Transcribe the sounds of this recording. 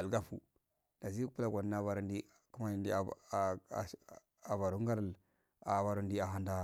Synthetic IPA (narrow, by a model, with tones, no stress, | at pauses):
a˨lɡa˦fṵ˨ | da˨zi˦pu˦la˨ɡʷa˨dna˦va˨ɾu˦ndi˦ | ku˦ma˦i˨ndi˦˨ | a˨va˨ɾu˦ŋɡa˦ɾa˦˨l | a̰˨ba˦ɾu˦ndi˦a˨ɦa˨nda˦